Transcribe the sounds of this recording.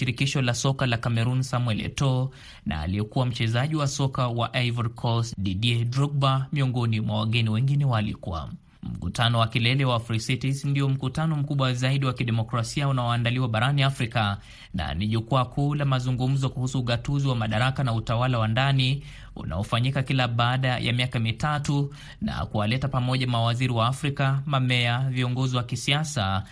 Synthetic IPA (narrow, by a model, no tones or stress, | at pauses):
iɾikiʃɔlasɔkalakamɛɾunsamwɛlɛ̰tɔ | na̰ːliɛkuwam̩t͡ʃɛzaʄiwasɔkawaʔaivaɾkʰɔsɗiɗiɛdɾuk̚bamiɔŋɡɔnimwawaɠɛniwɛŋɡinɛwalḭkua̰ | m̩kṵtanɔwakilɛlɛwafɾisitisndiɔm̩kutanɔm̩kuɓwazaiɗiwakiɗɛmɔkɾasiaunaɔandaliwaɓaɾaniafɾika | na̰niʄukuakʰuːlamazuŋɡum̩zɔkuhusuːɠatuziwamaɗaɾakanautawalawandani | ṵnʔa̰ɔfaɲikakilaɓaːɗajʔa̰miakamitatu | na̰kuwalɛtapamɔʄamawaziɾiwaːfɾikamamɛaviɔŋɡɔziwakisiasa